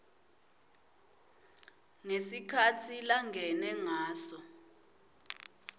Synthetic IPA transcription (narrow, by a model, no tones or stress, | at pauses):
ŋesikʰatʰilaŋʱɛnɛŋaːsɔ